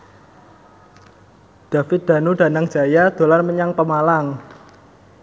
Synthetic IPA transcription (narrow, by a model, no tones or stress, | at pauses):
ɖ̥a̤fɪt̪̚d̪̥a̤nuɖa̤naŋ̥d͡ʒ̥a̤jad̪̥o̤larməɲaŋpəmalaŋ